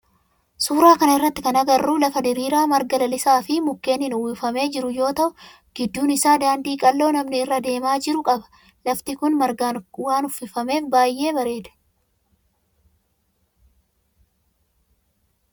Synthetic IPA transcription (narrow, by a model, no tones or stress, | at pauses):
suːɾaːkɐnɐɪrːɐt̪ːɪkɐnɐɡɐrːuːlɐfɐd̪ɪɾiːɾaːmɐɾɡɐlɐlɪsaːfɪmʊkːe̞ːnɪnʊwiːfɐme̞ːd͡ʒɪɾʊjo̞ːt̪ɐʔʊ | ɡ̥ɪd̪ːuːnɪsaːd̪aːnd̪iːkʼɐlːo̞ːnɐmnɪɪrːɐd̪e̞ːmaːd͡ʒɪɾʊkʼɐbɐ̥ | lɐft̪ɪkʊnmɐɾɡaːnwaːnʊfːɪfɐme̞ːfbaːjːe̞ːbɐɾe̞ːd̪ɛ̥